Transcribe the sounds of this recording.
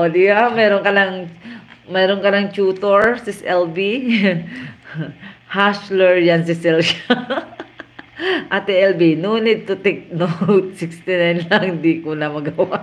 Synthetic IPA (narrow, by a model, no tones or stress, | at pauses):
ʔod̪iɡamɛːɾoŋkɐnaŋ | mɛːɾoŋkɐnaŋt͡ʃuːt̪oɹsɪsʔɛlbi | haʃlɛɹjansɪsɛlja | ʔat̪ɛʔɛlbinunɛd̪̚t̪ʊt̪ɛk̚nowt̪̚sɪkst̪ɪnajnlɐŋnd̪ikʊnɐmɐɡɐwa